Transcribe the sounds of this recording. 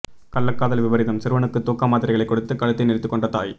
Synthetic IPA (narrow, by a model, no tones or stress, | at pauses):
kɐlːɐkːaːðɐlʋɪʋɐɾɪðɐmsɪɾʋɐɳɯkːɯt̪ːoːkːaːmaːðɪɾɐɪɐɭɐɪkːɔɽɯt̪ːɯkːɐɻɯt̪ːɐɪnɪɾɪt̪ːɯkːɔɳɖrɐt̪a̰ːj